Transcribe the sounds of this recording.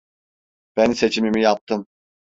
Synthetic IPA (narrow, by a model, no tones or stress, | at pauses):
b̥ænse̞t͡ʃʰimimijap̚t̪ʰɯm